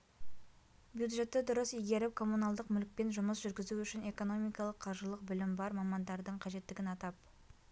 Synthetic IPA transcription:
bjud̪ʒe̞t̪ːɪd̪ʊɾəsijɡʲe̞ɾɪp̚kʰo̞munɑlˠd̪əqmʏlk̚pe̞nʒʊməsʒʏɾɡʲɪzuʏʃɪne̞ko̞no̞mijkɑlˠəqʰːɑʒəlˠəq̚bɪlɪmbɑɾmɑmɑnd̪ɑɾd̪əɴqʰɑʒe̞t̪ːɪɡʲɪnɑt̪ɑp̚

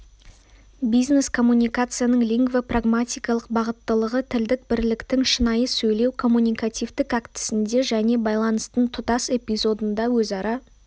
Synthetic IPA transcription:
bijzne̞skʰo̞mːunʲijkat̪sɨjanəɴlijŋɡvepraɡmat̪ijkɑlˠəq̚bɑʁət̪ːəlˠəʁət̪ʰɪld̪ɪk̚bɪɾlɪkt̪ɪŋʃənɑjəsɵjle̞wkʰo̞mːunʲijkat̪ijvd̪ɪkækt̪ɪ̥sɪnd̪e̞ʒæne̞bɑjlˠɑnəst̪ənt̪ʰʊt̪ɑse̞pʲijzo̞d̪ənd̪ɑwɵzɑɾɑ

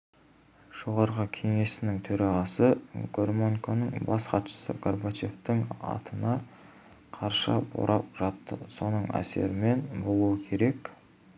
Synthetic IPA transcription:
ʒ̥o̞ʁɑɾʁəkʲʰe̞ŋe̞sɪnɪŋt̪ʰɵɾɑʁɑsəɡ̥o̞rmoŋkonəɴbɑsqʰɑt̪ʃə̥sə̰kʰorbat͡ʃe̞ft̪ɪŋɑ̰t̪ənɑ | qʰɑɾʃɑbo̰ɾʔɑp̚ʒɑt̪ːəso̞nəɴæ̰se̞̰ɾɪme̞nbo̞lˠuwəkʲʰe̞ɾe̞k

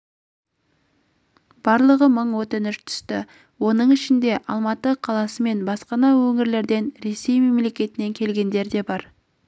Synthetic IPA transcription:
b̥ɑɾlˠəʁəməɴwot̪ɪnʏʃt̪ʰʏ̥st̪ɪ | wo̞nəɴɪʃɪnd̪e̞ʔɑlˠmɑt̪əqʰɑlˠɑsəme̞nbɑsqɑnɑwɵŋɪɾle̞ɾd̪e̞nɾe̞se̞jme̞mle̞kʲe̞t̪ɪne̞ŋkʲʰe̞lɡʲe̞nd̪e̞ɾd̪e̞bɑɾ

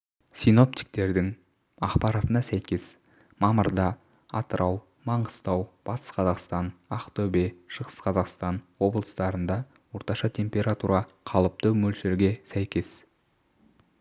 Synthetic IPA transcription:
sijno̞p̚t̪ʲi̥k̚t̪e̞ɾd̪ɪŋ | ɑqpɑɾɑt̪ənɑsæjkʲe̞s | mɑməɾd̪ɑ | ɑt̪əɾʔɑw | mɑɴəst̪ɑwb̥ɑt̪ə̥sqʰɑzɑqst̪ɑnaqt̪obeʃəʁəsqʰɑzɑqst̪ɑnwo̞blˠəst̪ɑɾənd̪ɑ | wo̞ɾt̪ɑʃɑt̪ʲʰe̞mpʲe̞ɾat̪uɾʔɑqʰɑlˠəp̚t̪əmɵlʃeɾɡʲe̞sæjkʲe̞s

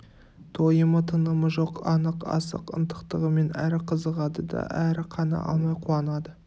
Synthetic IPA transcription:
t̪ʰo̞jəmət̪ʰənəməʒoqɑnəqɑ̰sə̰qə̰nt̪ə̥qt̪əʁəme̞næɾɪqʰəzəʁɑd̪əd̪ɑ̰ʔæɾɪqʰɑnɑ̰ʔɑ̰mɑjqʰuɑnɑd̪ə

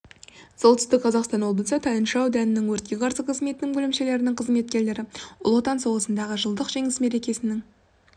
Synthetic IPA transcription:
solˠt̪ʏ̥st̪ɪk̚qʰɑzɑqst̪ɑnwo̞bəlˠsət̪ʰɑjənʃɑwd̪ænɪnɪŋwɵɾt̪̚kʲe̞qʰɑɾsəqʰəzme̞t̪ɪnɪŋbɵlɪmʃe̞le̞ɾɪnɪŋqʰəzme̞t̪kʲe̞ɾle̞ɾɪʊ̰lˠot̪ɑnso̞ʁəsənd̪ɑʁəʒəlˠd̪əqʒe̞ŋɪsme̞ɾe̞kʲe̞sɪnɪŋ

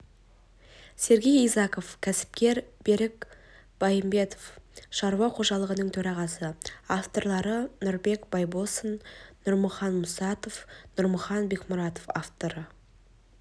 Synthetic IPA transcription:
se̞ɾɡʲe̞jijzɑqo̞fkʲʰæsɪ̥p̚kʲe̞ɾb̥e̞ɾɪk | b̥ɑjəmbe̞t̪o̥fʃɑɾuɑqʰo̞ʒɑlˠəʁənəɴt̪ʰɵɾɑʁɑsəaft̪o̞ɾlˠɑɾənʊɾbe̞kb̥ɑjbosənːʊɾməχɑnmʊsɑt̪ofnʊɾməχɑnbe̞kmʊɾɑt̪ofaft̪o̞ɾə

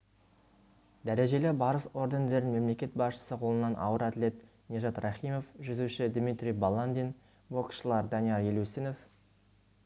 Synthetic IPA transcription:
d̪æɾe̞ʒe̞lebɑɾəso̞ɾd̪end̪e̞ɾɪnme̞mle̞kʲe̞t̪̚bɑsʃə̥səqʰo̞lˠənɑnʔɑ̰wəɾɑt̪le̞t̪ | nʲeʒɑt̪rɑχijmo̞fʒʏzuʃɪd̪mʲit̪ɾʲijbɑlˠand̪en | bo̞kʃəlˠɑɾd̪ɑnijɑɾjeluseno̞f

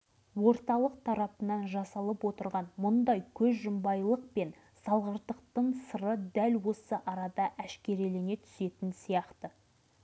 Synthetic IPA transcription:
wo̞ɾt̪ɑlˠəq̚t̪ʰɑɾɑpənɑnʒɑsɑlˠəpwo̞t̪əɾʁɑnmʊnd̪ɑjkʲʰɵzʒʊmbɑjlˠəq̚pe̞n | sɑlˠʁəɾt̪əq̚t̪əɴsəɾəd̪ælwo̞səʔɑɾɑd̪ɑʔæʃkʲe̞ɾelene̞t̪ʰʏ̥se̞t̪ɪnsijɑqt̪ə

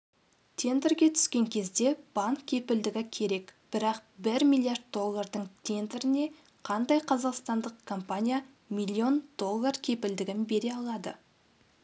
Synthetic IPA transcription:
t̪ʲʰe̞nd̪eɾɡʲe̞t̪ʰʏ̥skʲe̞ŋkʲʰe̞zd̪e̞b̥ɑŋkʲʰːe̞pɪld̪ɪɡʲɪkʲʰe̞ɾe̞kb̥ɪɾɑq̚bɪɾmilˠijarɾd̪̚d̪o̞lˠːard̪əɴt̪ʲʰe̞nd̪ɪɾɪne̞ | qʰɑnd̪ɑjqʰɑzɑqst̪ɑnd̪əqkʰo̞mpanʲija | mijlʲˠːio̞nd̪̥o̞lˠːarkʲʰe̞pɪld̪ɪɡʲɪnbe̞ɾe̞ɑlˠɑd̪ə̰

